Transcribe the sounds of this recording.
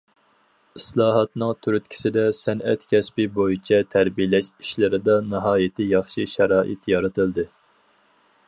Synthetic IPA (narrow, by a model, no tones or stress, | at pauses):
islˠɑːɦɑt̪nɨŋt̪ʰyɾyt̪̚kʲʰi̥sɪd̪ɛsɛnɛt̪kʲʰɛspibojit͡ʃʰɛt̪ʰæɾbijlɛʃi̥ʃlɪɾɪd̪ɑnɨɦɑːjɪt̪ʰɪjɑχʃiʃɛɾɑːʔɪ̰t̪jɑɾɨt̪ʰɨld̪ɪ